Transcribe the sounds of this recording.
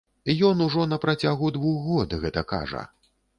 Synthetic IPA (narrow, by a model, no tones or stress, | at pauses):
jɔnuʐɔnɐpɾat͡sʲaɣud̪vuxɣɔd̪ɣɛt̪ɐka̰ʐɐ̰